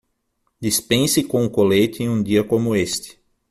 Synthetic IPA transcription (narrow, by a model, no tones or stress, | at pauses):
d̪ispẽsɪkõʊkolet͡ʃ̪ɪẽũdiɐkõmʊest̪ɪ̥